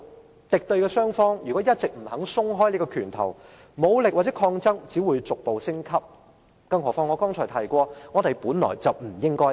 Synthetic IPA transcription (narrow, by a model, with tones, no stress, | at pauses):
t̪ɪ˨k̚t̪ɵ˧ɥkɛː˧sœː˥ŋfɔː˥ŋjyː˨kɔː˨˥jɐ˥t̚t͡sɪ˨k̚m̩˨˩hɐ˨˥ŋsʊ˥ŋɦɔː˥jliː˥kɔː˧kʰyː˨˩nt̪ʰɐ̰˨˩wmo˨˧wlɪ˨k̚waː˨t̚t͡sɛː˨˦˥kʰɔː˧ŋt͡sɐ˥ŋt͡siː˨˥wuː˨˧jt͡sʊ˨k̚po˨wsɪ˥ŋkʰɐ˥p̚ | kɐ˥ŋɦɔː˨˩fɔː˥ŋɔː˨˧kɔː˥ŋt͡ʃʰɔː˨˩t̪ʰɐ˨˩jkʷɔː˧ŋɔː˨˧t̪e˨˩jpuː˨˥nlɔ̰ː˨˩jt͡sɐ˨wm̩˨˩jɪ˥ŋkɔː˥